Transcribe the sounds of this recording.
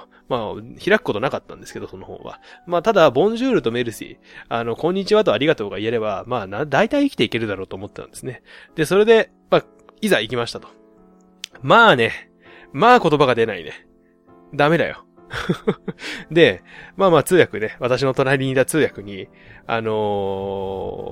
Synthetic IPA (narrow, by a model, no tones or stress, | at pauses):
maçiɾakɯ̥ko̞t̪o̞nakat̪ːã̰nd̪e̞sɨ̥ke̞d̪oso̞no̞ho̞̰ːβa̰maːt̪ad̪abõ̞ɲ̟d͡ʑɨːɾɯ̟t̪ome̞ɾɯ̟sḭ | ano̞kõ̞ɲ̟ːit͡ɕiβat̪̬o̞aɾʲiɡat̪o̞ːɡaie̞ɾe̞bamaːnad̪ait̪aiːkʲit̪e̞ike̞ɾɯ̟d̪aɾo̞ːt̪oːmo̞t̪ːet̪ã̰nd̪e̞sɨne̞d̪e̞so̞ɾe̞d̪e̞ | maː | izaikʲimaɕi̥t̪at̪o̞̥ | maːne̞ | maːko̞t̪o̞baɡad̪e̞naḭne̞̰ | d̪ame̞d̪a̰jo̰ | d̪e̞maːmaːt͡sɨːjakɯ̟ne̞βat̪aɕ̬ino̞t̪o̞naɾʲiɲ̟id̪at͡sɨːjakɯ̟ɲ̟i | a̰no̞